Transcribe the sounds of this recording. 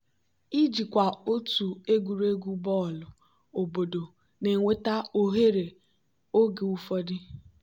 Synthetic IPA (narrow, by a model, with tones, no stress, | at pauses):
i˦d͡ʒi˨kʷa˨o˦tu˨e˦ɡu˨ɾe˦ɡu˦bɔ˦˨lʊ˨ | o˨bo˨do˨ | ne˨ŋʷe˦ta˦o˦ɦe˦ɾe˨ | o˦ɡe˨u˦fɔ˦dɪ˦